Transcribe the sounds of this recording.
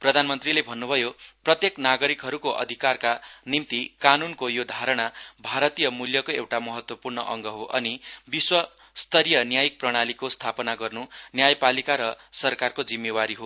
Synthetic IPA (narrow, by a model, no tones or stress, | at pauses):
prʌd̪ʱanmʌnt̪rilebʱʌnːubʱʌjoprʌt̪jeknaɡʌɾikɦʌɾukoʔʌ̰d̪ʱikarkanimt̪ikanunkojod̪ʱaɾʌɽ̃abʱaɾʌt̪ijʌmuljʌkoewʈamʌɦʌt̪wʌpurnʌʔʌ̰ŋɡʌɦoʔʌnibiswʌ | st̪ʌɾijʌnjajik̚prʌɽ̃alikost̪ʰapʌnaɡʌrnunjajpalikaɾʌsʌrkarkod͡zimːewaɾiɦo